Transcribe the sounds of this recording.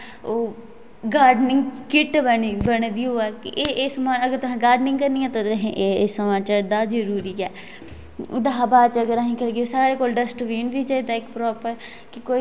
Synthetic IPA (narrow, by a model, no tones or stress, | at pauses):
oː | ɡaːɾɖnɪŋɡkɪʈbəɳiːbəɳ̃d̪iːoːɛːkɪʔeːʔesəmaːəɡəɾt̪ʊsɛ̃ːɡaːɾɖnɪ̃ŋɡkəɾniːãːt̪ot̪ɦẽʔesəmãːt͡ʃaːɾd̪aːd͡ʒəɾuːɾiːɛ̰ː | d̪aːabaːt͡ʃəɡəɾaɦĩːkəlɡesaːɾeːkoːlɖəsʈʋiːnʋiːt͡ʃaːiːd̪aːɪkpɾɔːpəɾ | kɪkoː